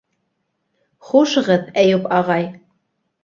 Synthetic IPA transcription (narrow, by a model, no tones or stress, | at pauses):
χuʃɤʁɤ̆ðæjupɑʁɑj